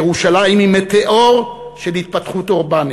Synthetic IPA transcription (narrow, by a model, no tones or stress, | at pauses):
ʁuʃalajimhimet̪eʔoʁʃelhit̪̚pat̪χut̪oʁbani